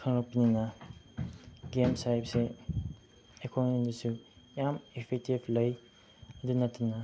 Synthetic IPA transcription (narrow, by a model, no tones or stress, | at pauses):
kʰaŋɾɔpinina | ɡemsajpse | ekʰonmindisu | jamipʰek̚tibləj | dunatuna